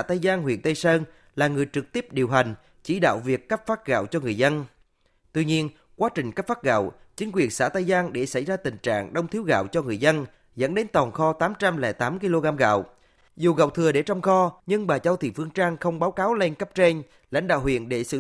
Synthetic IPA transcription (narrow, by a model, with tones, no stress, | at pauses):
a˧˥˩t̪a˧jzaː˧nɦwḭ˧˨ənt̪ə˧jsəː˧ŋ | laː˨˩ŋɨ˨˩əjt͡ɕɨ˨˩k̚t̪i˦˥əp̚ɗi˨˩əwɦa˨˩jŋ̟ | t͡ɕi˧˩ɗa̰ː˧˨wvi˨˩əkːə˦˥p̚faː˦˥t̚ɣa̰ː˧˨wt͡ɕɔ˧ŋɨ˨˩əjzə˧n | t̪wi˧ɲi˧ən | kwaː˨˦t͡ɕï˨˩ŋ̟kə˦˥p̚faː˦˥t̚ɣa̰ː˧˨wt͡ɕi˨˦ŋ̟k̬wi˨˩ənsa̰ː˧˥t̪a˧jzaː˧nɗe˧˩sa˧˩jzaː˧t̪ï˨˩ŋ̟t͡ɕa̰ː˧˨ŋɗə˧wŋ͡mt̪ʰi˦əwɣa̰ː˧˨wt͡ɕɔ˧ŋɨ˨˩əjzə˧n | zə̰˧˥nɗe˨˦nt̪ɔ˨˩nxɔ˧t̪aː˨˦mt͡ɕa˧mlɛ̰˧˩t̪aː˨˦mki˧lo˧ɣaː˧mɣa̰ː˧˨w | zu˨˩ɣa̰˧˨wt̪ʰɨ˨˩əɗe˧˩t͡ɕɔ˧wŋ͡mxɔ˧ɲɨ˧ŋɓaː˨˩t͡ɕə˧wt̪ʰḭ˧˨˩fɨ˧əŋt͡ɕaː˧ŋxə˧wŋ͡mɓaː˨˦wkaː˨˦wle˧nkə˦˥p̚t͡ɕe˧n | la̰˧˥jŋ̟ɗaː˧˨whwḭ˧˨ənɗe˧˩sɨ̰˧˨